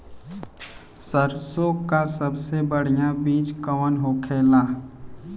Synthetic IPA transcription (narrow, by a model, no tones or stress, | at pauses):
səɾsokasəbsebəɽ̤ijãbiːt͡ʃkəʋənɦoːkʰeːlaː